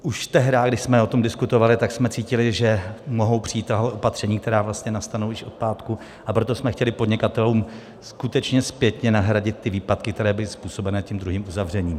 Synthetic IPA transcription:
ʔuʃt̪ɛɦɾaːɡdɪʃsmɛo̞t̪o̞mdɪskut̪o̞valɪt̪aksmɛt͡siːcɪlɪʒɛmo̞ɦo̞wpr̝̥ɪiːt̪aɦoʔopat̪r̝̥ɛɲiːk̚t̪ɛɾaːvlast̪ɲɛnast̪anowjɪʃʔo̞t̪̚paːt̪ku | ʔapɾo̞t̪o̞smɛxcɛlɪpo̞dɲɛkat̪ɛluːm | skut̪ɛt͡ʃɲɛspjɛt̪ɲɛnaɦɾaɟɪt̪̚ːɪviːpat̪kɪk̚t̪ɛɾɛːbɪlɪspuːso̞bɛnɛːcɛmd̪ɾuɦiːmʔuzavr̝ɛɲiːm

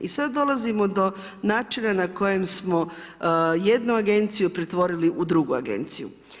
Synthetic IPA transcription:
ʔisad̪d̪o̞lˠazimo̞d̪o̞ | naːt͡ʃinanako̞je̞msmo̞ | je̞d̪nuaɡe̞nt̪sijupɾet̪ʋo̞ɾiliʔud̪ɾuɡua̰ɡe̞̰nt̪sijṵ

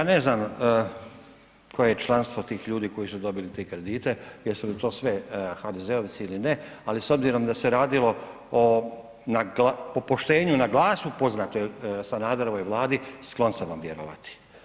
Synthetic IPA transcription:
ane̞znam | kʰo̞jejet͡ʃlˠanst̪vʋo̞t̪iːxʎuːd̪iko̞jisud̪o̞bilit̪ekɾe̞d̪iːt̪e̞jesulit̪o̞ːsʋe̞xad̪e̞zeoʋt̪siilinealiso̞bziɾo̞md̪ase̞ɾaːd̪ilo̞ | o | naɡlapopo̞ʃt̪e̞ːɲunaɡlˠaːsupo̞znaːt̪ojesanaːd̪aɾoʋojʋlˠaːd̪isklˠo̞nsamʋamʋjeɾoʋa̰t̪i̥

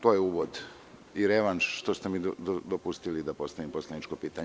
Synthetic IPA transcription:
t̪o̞ːjeuːʋod̪ | iɾeʋanʃʃt̪ost̪emid̪od̪opust̪ilid̪apo̞st̪aʋimpo̞sled̪nit͡ʃkopiːt̪aɲ

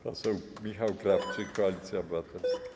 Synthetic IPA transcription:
asowmʲixawkɾaft͡ʃɨkɔalʲit̪sʲjabɘwat̪ɛ

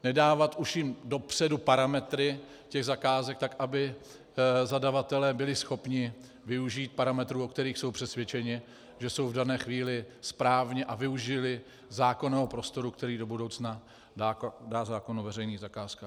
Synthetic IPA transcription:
nɛdaːvat̪ʔuʃɪmdo̞pr̥ɛdupaɾamɛt̪ɾɪ | cɛɣzakaːzɛk̚t̪akʔabɪ | zadavat̪ɛlɛːbɪlɪsxo̞pɲɪ | vɪuʒiːt̪̚paɾamɛt̪ɾuːokt̪ɛɾiːxso̞wpr̥ɛsvʲjɛt͡ʃɛɲɪ | ʒɛso̞wvdanɛːxviːlɪspɾaːvɲɛʔavɪuʒɪlɪ | zaːko̞nɛːɦopɾo̞st̪o̞ɾukt̪ɛɾiːdo̞budowt͡sna | dadaːzaːkonuvɛrɛjniːɣzakaːska

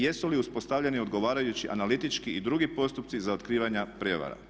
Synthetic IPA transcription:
jesuliuspo̞st̪aʋʎe̞nio̞d̪ɡo̞ʋaːɾajut͡ɕiʔa̰nalit̪it͡ʃkiid̪ɾuɡipo̞st̪up̚t̪sizaot̪kɾiːʋaɲapɾjeʋa̰ɾa̰

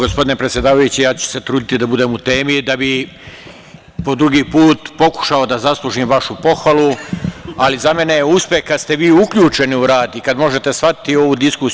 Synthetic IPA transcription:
ɡospo̞d̪ine̞pɾet̪sʲjed̪aːʋajut͡ɕijaːt͡ɕu̥se̞t̪ɾuːd̪it̪id̪abud̪e̞ːmut̪e̞ːmid̪abi | po̞d̪ɾuɡiːpuːt̪po̞ku̥ʃao̞d̪azaslˠuʒiːmʋaʃupo̞xʋalu | alizame̞ne̞jeuspehkad̪st̪e̞ʋiːukʎuːt͡ʃe̞niuɾaːd̪ikad̪mo̞ʒe̞t̪e̞sʋat̪i̥t̪io̞ʋud̪iskus

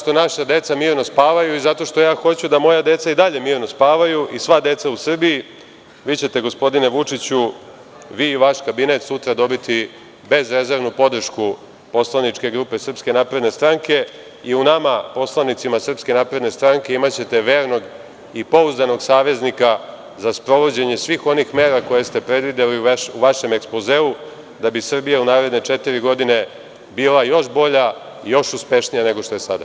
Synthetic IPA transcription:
t̪o̞naʃad̪e̞t̪samiːɾno̞spaːʋajuizat̪o̞ʃt̪o̞jaːxo̞t͡ɕud̪amo̞jad̪e̞t̪said̪aʎe̞miːɾno̞spaːʋajuʔisʋad̪e̞t̪sausr̩biji | ʋiːt͡ɕe̞t̪e̞ɡo̞spo̞d̪ine̞ʋut͡ʂit͡ɕu | ʋiːʋaʃkabine̞t̪sut̪ɾad̪o̞bit̪i | be̞zɾe̞ze̞ɾʋnupo̞d̪r̩ʃku | po̞slˠanit͡ʂke̞ɡɾuːpe̞sr̩pske̞naːpɾe̞d̪ne̞st̪ɾaŋke̞ | iunamapo̞slˠanit̪simasr̩pske̞naːpɾed̪ne̞st̪ɾaŋke̞imat͡ɕe̞t̪e̞ʋe̞ːɾno̞ɡ | ipo̞uzd̪ano̞ɡsaːʋe̞znika | zaspɾo̞ʋo̞d͡ʑe̞ɲe̞sʋiːxo̞nixme̞ːɾako̞je̞st̪e̞pɾe̞d̪ʋid̪eliuʋaʃe̞meksploze̞ːu | d̪abisr̩bijaunaːɾe̞d̪ne̞t͡ʃet̪iɾiɡo̞d̪ine̞ | biːlˠajo̞ʃbo̞ʎaijo̞ʃuspe̞ʃnijane̞ɡo̞ʃt̪o̞je̞sad̪a̰

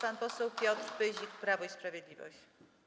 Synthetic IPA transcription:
panpɔsɛwpʲjɔt̪ɾpɘʑikpɾavɔispɾavʲjed̪lʲivɔ̰ɕt͡ɕ

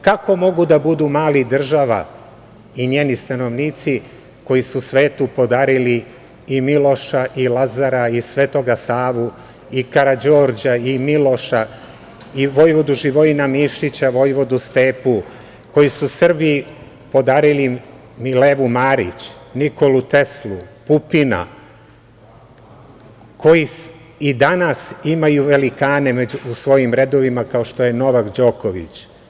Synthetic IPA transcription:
kako̞mo̞ɡud̪abud̪umaːlid̪r̩ʒaʋa̰ | iɲeːnist̪ano̞ʋniːt̪si | ko̞jisusʋe̞ːt̪upo̞d̪aːɾili | imilo̞ʃaʔilazaɾaisʋeːt̪o̞ɡasaːʋu | ikaɾad͡ʑo̞ːɾd͡ʑaimilo̞ʃa | iʋo̞jʋo̞d̪uʒiʋoinamiʃit͡ɕaʋo̞jʋo̞d̪ust̪e̞ːpu | ko̞jisusr̩bi | po̞d̪aːɾili | mileʋumaːɾḭt͡ɕniko̞lut̪e̞slˠupupina̰ | ko̞ji | id̪anasimajuʋe̞likaːne̞meuusʋo̞jimɾe̞d̪o̞ʋimakao̞ʃt̪o̞je̞no̞ʋakd͡ʑo̞koʋḭt͡ɕ

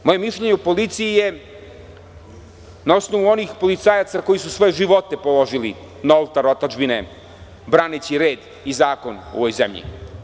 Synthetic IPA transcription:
mo̞je̞miʃʎe̞ɲeupo̞lit̪sijije̞ | nao̞snoʋuo̞niːxpo̞lit̪saːjat̪sako̞jisusʋo̞jeʒiʋo̞t̪e̞polo̞ʒili | nolˠt̪aɾot̪ad͡ʒbine̞ | bɾaːnet͡ɕiɾe̞ːd̪ | izaːko̞no̰ʋojzḛmʎḭ

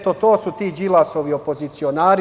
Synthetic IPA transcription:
t̪ot̪oːsut̪iːd͡ʒilˠasoʋio̞pozit̪sio̞naːɾ

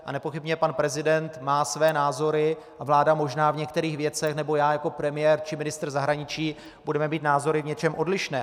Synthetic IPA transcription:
ʔa̰nɛpo̞xɪbɲɛpanpɾɛzɪdɛnt̪maːsvɛːnaːzo̞ɾɪ | ʔavlaːdamo̞ʒnaːvɲɛkt̪ɛɾiːxvjɛt͡sɛxnɛbo̞jaːjako̞pɾɛmɪjɛːɾt͡ʃɪmɪnɪst̪rzaɦɾaɲɪt͡ʃiː | budɛmɛmiːt̪naːzo̞ɾɪvɲɛt͡ʃɛmʔo̞dlɪʃnɛː

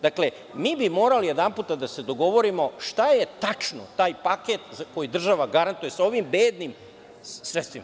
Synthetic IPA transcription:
d̪akle̞ | miːbimo̞ːɾalijed̪anpuːt̪ad̪ase̞d̪o̞ɡo̞ʋo̞ɾimo̞ʃt̪ajet̪at͡ʂno̰t̪aːjpaket̪zako̞jid̪r̩ʒaʋaɡaɾant̪uje̞sao̞ʋimbeːd̪nim | sɾet̪st̪ʋima

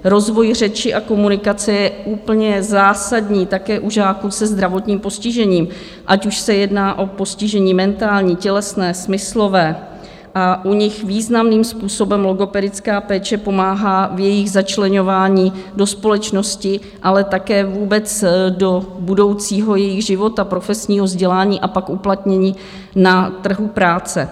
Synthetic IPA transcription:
ɾo̞zvo̞jr̝ɛt͡ʃɪʔako̞munɪkat͡sɛjɛʔuːpl̩ɲɛzaːsadɲiːt̪akɛːʔuʒaːkusɛzd̪ɾavo̞t̪ɲiːmpo̞scɪʒɛɲiːm | ʔacuʃsɛjɛdnaːʔo̞po̞scɪʒɛɲiːmɛnt̪aːlɲiːcɛlɛsnɛːsmɪslo̞vɛː | ʔaʔuɲɪxviːznamniːmspuːso̞bɛmlo̞ɡo̞pɛdɪt͡skaːpɛːt͡ʃɛpo̞maːɦaːvjɛjɪɣzat͡ʃlɛɲo̞vaːɲiːdo̞spo̞lɛt͡ʃno̞scɪ | ʔalɛt̪akɛːvuːbɛt͡sdo̞budo̞wt͡siːɦo̞jɛjɪɣʒɪvo̞t̪apɾo̞fɛsɲiːɦo̞zɟɛlaːɲiːʔapakʔuplat̪ɲɛɲiː | nat̪r̩ɦupɾaːt͡sɛ

